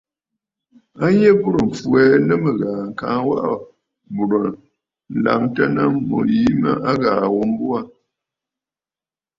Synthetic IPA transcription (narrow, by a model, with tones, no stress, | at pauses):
a˦ɲe˦bu˦ɾə˨ɱ̩˨fwɛ˨˦nə˦mə˨ɣaː˨ŋ̩˨kaː˨˦ŋwa̰˦ʔa˦˨ | bu˨ɾə˨ | n̩˨la̰˨mtə˦na˦mo̰˨ji˦mə̰˦ʔa˦ɣaː˨wo˦m˦bu˦a˦